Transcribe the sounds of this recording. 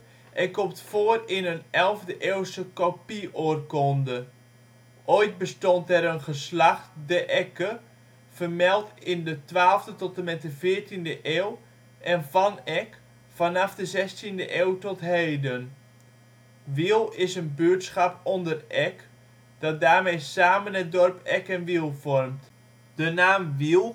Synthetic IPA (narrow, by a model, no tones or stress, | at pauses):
ʔɛnkɔmtfoərɪnənɛlˠvdəʔeːwsəkopiʔorkɔndə | ʔojt̚bəstɔntɛɾənχəslaχtdəʔɛkə | fərmɛlˠtɪndətʋaːlˠvdətɔtəmɛt̚dəvɪːɹtindəʔeːw | ʔɛnvɑnɛk | fɑnɑfdəzɛstindəʔeːwtɔtɦejdən | ʋilˠɪsənbyətsχapɔndərʔɛk | d̥ɑt̚daːrmejsaːmənɛt̚dɔrpɛkɛnʋilˠvɔrmt | d̥ənaːmʋilˠ